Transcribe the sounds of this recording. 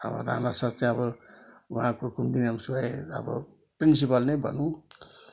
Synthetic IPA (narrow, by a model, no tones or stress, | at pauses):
ʌ̰bʌ̰ɾa̰nasʌt͡sẽʌbʌuɦãkokumbinamsuajʌ̰bʌ̰ | prinsipʌlnebʱʌ̰nũ